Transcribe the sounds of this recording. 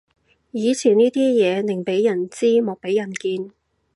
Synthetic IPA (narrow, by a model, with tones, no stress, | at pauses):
jiː˨˧t͡sʰiː˨˩nniː˥t̪iː˥jɛː˨˧nɪ˨˩ŋpe˨˥jjɐ˨˩nt͡siː˥mɔː˨˧k̚pe˨˥jɐ˨˩nkiː˧n